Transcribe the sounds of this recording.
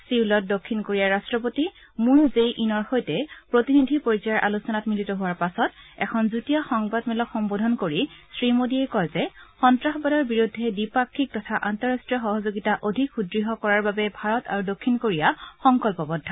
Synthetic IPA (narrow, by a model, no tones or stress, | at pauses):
silɔt̚dokʰːinkoɹijaɹastɹɔpoti | muɹzejʔinɔɹxojtɛpɹotinidʱipoɹisɔjɔɹʔa̰lusɔnatmilitɔɦʊwaɹpasɔtɛ̰kʰɔnzutijɔxɔŋbadmɛlɔkxɔmbodʱɔnkoɹisɹimodiɛjkɔjzɛxɔntɹaxɔbadɔɹbiɹudʱːɛdipakʰːik̚tɔtʰaʔantɔɹastɹiɔxɔɦɔzoɡitaʔodʱikxudɹiɦɔkɔɹaɹbabɛbʱaɹɔta̰ɹudokʰːinkoɹijaxɔŋkɔlpɔbɔdʱːa